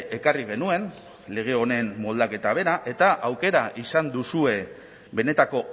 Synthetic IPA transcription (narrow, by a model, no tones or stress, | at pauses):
e̞kariɣ̞e̞nue̞n | le̞ɣ̞e̞o̞ne̞nmo̞ld̪ake̞t̪aβ̞e̞ɾaʔe̞t̪aʔawke̞ɾaʔisand̪usue̞ | be̞ne̞t̪ako̞